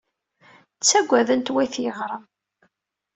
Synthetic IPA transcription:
t͡sːæɡʷæðənt̪wæjθjəʁɾˤəm

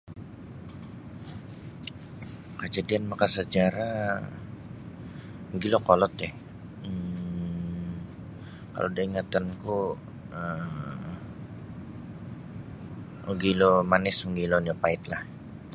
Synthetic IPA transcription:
kəd͡ʒadianmakasəd͡ʒaɾa | məɡilokɔlɔt̪ɛh | ə | ka̰lodaiŋat̪anku | ə | əɡilomanɪsməɡilonapaɪt̪̚lah

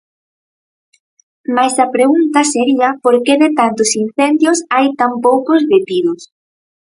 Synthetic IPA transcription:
majsɐpɾeɣunt̪ɐseɾiɐpoɾkeðet̪ant̪ʊsin̟θɛnd̪jʊsajt̪ampowkʊzβet̪iðʊs

